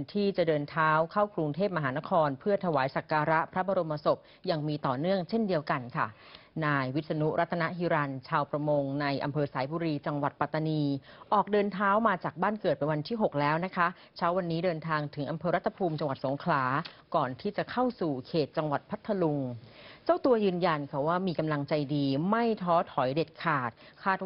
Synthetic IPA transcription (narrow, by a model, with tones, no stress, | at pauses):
t̪ʰiː˥˩t͡ɕa˨˩dɤː˧nt̪ʰaː˦˥wkʰa˥˩wkɾu˧ŋt̪ʰeː˥˩p̚ma˧ɦaː˩˦na˦˥kʰɔː˧npʰɯ˥˩ɐt̪ʰa˧waː˩˦jsa˨˩kːaː˧ɾa˦˥pʰɾa˦˥bɔː˧ɾo˧mːa˧so˨˩p̚ | ja˧ŋmiː˧t̪ɔː˨˩nɯ˥˩əŋt͡ɕʰe˥˩ndi˧əwka˧nkʰa̰˥˩ | naː˧jwi˦˥t̪̚sa˧nu˦˥ʔɾa˦˥t̪ʰːa˧na˦˥ʔɦiː˧ɾa˧nt͡ɕʰaː˧wpɾa˧mo˧ŋna˧jʔa˧mpʰɤː˧saː˩˦jbuː˧ɾiː˧t͡ɕa˧ŋwa˨˩t̪̚pa˨˩t̪ːa˧niː˧ʔɔː˨˩k̚dɤː˧nt̪ʰaː˦˥wmaː˧t͡ɕaː˨˩k̚baː˥˩nkɤː˨˩t̪̚pe˧nwa˧nt̪ʰiː˥˩ɦo˨˩k̚lɛː˦˥wna˦˥kʰa˦˥ | t͡ɕʰaː˦˥wa˧nːiː˦˥dɤː˧nt̪ʰaː˧ŋt̪ʰɯ˩˦ŋʔa˧mpʰɤː˧ɾa˦˥t̪ʰːa˧pʰuː˧mt͡ɕa˧ŋwa˨˩t̪̚so˩˦ŋkʰlaː˩˦kɔː˨˩nt̪ʰiː˥˩t͡ɕa˨˩kʰa˥˩wsuː˨˩kʰeː˨˩t̪̚t͡ɕa˧ŋwa˨˩t̪̚pʰa˦˥t̪ʰːa˧lu˧ŋt͡ɕa˥˩wt̪u˧ɐjɯː˧nja˧nkʰa˧˩waː˥˩miː˧ka˧mla˧ŋt͡ɕa˧jdiː˧ma˥˩jt̪ʰɔː˦˥t̪ʰɔ˩˦jde˨˩t̪̚kʰaː˨˩t̪̚kʰaː˥˩t̪̚